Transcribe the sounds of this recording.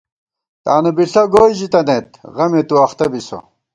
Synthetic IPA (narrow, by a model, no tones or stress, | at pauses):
t̪aːnubiɬoɡoːjʑit̪ɐnet̪ʁɐmet̪uɐχt̪ɐbiso̰